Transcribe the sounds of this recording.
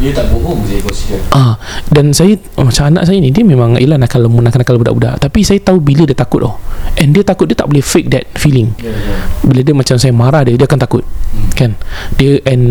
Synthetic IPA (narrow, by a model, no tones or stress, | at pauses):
diət̪aʔbuɦʊŋsakɔsiaʔadansajə | mat͡ʃaana̰ʔs̬ajənĩdiəmẽmãŋʔḭlanakanləmunakanakalbudaʔbuda̰ʔt̪apisajət̪aubilədiət̪akʊt̪̚ɔhʔɛndiət̪akʊt̪̚diət̪aʔbolɛhfek̚dɛt̪̚filiŋ | bilədiəmat͡ʃamsajəmaɾahdiədiəakant̪akʊt̪̚kandiəʔɛn